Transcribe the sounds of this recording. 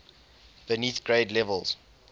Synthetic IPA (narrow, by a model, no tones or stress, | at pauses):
b̥əniθɡ̥ɹeɪdlɛvəlˠz̥